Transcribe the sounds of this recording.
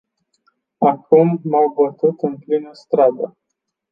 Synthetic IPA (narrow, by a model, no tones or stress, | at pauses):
akumːawbət̪ut̪ɨnplinəst̪ɾad̪ə